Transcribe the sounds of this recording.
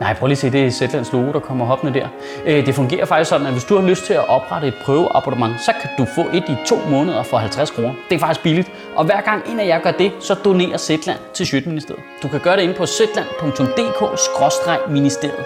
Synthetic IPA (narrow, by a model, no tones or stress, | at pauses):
nɑ̈ɪ̰pʰʁœɐəliːsʰḭːd̥e̝sed̥læn̰slo̝ːɡ̥oɾ̥ɑ̈kʰɒ̽m̰ɐɦɒ̽b̥nəd̥æɐ̰ | d̥e̝fɔ̽ŋɡ̥e̝̰ːɐfɑ̈ɡ̥isɒ̽d̥n̩æʋe̝sd̥uhɑ̈løsd̥̚t͡sʰe̝læʔɒ̽b̥ʁɑ̈ɾ̥əe̝d̥̚pʰʁœːʊəʔɑ̈b̥udəmɑ̈ŋsɒ̽kʰæd̥ufɔ̰̽ːʔe̝d̥it͡sʰo̝̰ːmɔ̽ːnəð̞ˠɐfɒ̽ɦælt͡sʰʁaskʰʁoːnɐd̥e̝æɐfɑɡ̥isɡ̥b̥ilid̥ | ʔɒ̽ʋæɐ̰ɡ̥ɑ̈ŋ̰e̝næjɑɡ̥ɶɐd̥e̝sɒ̽d̥o̝ne̝̰ːɐsed̥læn̰t͡sʰe̝ɕød̥əminisd̥e̝ɐð̩ˠd̥ukʰæɡ̥ɶːɐɾee̝npʰɒ̽sed̥læn̰pʰɔ̽ŋt͡sʰɔ̽md̥e̝̰ːkʰɔ̰ːsɡ̥ʁɒ̽sd̥ʁɑ̈ɪminisd̥e̝ɐ̰ð̩ˠ